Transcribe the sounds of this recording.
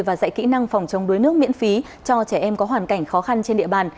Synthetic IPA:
jvaː˨˩za̰ː˧˨jkḭ˧˥na˧ŋfɔ˨˩wŋ͡mt͡ɕə˨˦wŋ͡mɗu˨˦jnɨ˦˥ək̚mḭ˧˥ənfi˨˦ | t͡ɕɔ˧t͡ɕɛ˧˩ʔɛ˧mkɔ˨˦ɦwaː˨˩nka˧˩jŋ̟xɔ˨˦xa˧nt͡ɕe˧nɗḭ˧˨əɓaː˨˩n

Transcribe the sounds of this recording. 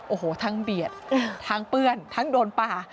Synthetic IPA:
ʔoː˨˩hoː˨˩t̪ʰaː˧˥ŋbi˨˩ət̪̚t̪ʰaː˦˧˥ŋpɯː˥ənt̪ʰaː˦˥ŋdoː˧npaː˧˩

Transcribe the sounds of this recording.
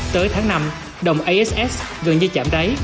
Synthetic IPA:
t̪əː˨˦jt̪ʰaː˨˦ŋna˧m | ɗə˨˩wŋ͡mʔa˧jʔɛ˦˥sʔɛ˦˥sɣə˨˩nɲɨ˧t͡ɕa̰ː˧˩mt̪ə˨˦j

